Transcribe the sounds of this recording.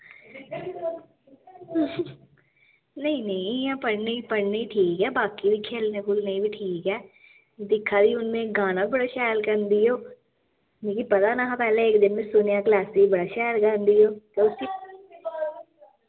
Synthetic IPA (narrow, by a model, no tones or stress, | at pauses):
nɐĩnɐĩãpəɽneipɐɽneiʈʰiːkɦɛːbaːkibʱikʰeːlnẽkʰuːlneibʱiʈʰiːkɦɛː | d̪ɪkʰːad̪iʊnmẽɡaːnabbəɽaʃɛːlkəɾnd̪ijoː | nẽːkipɐt̪anaɦãpɛːleeːk̚d̪ɪnmẽsʊnjaklaːsibɐɽaʃaːlkəɾnd̪ijoːt̪eʊsi